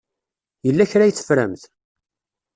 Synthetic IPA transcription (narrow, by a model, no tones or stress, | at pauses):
jəlːæçɾæjət͡sːə̥fɾæ̰mθ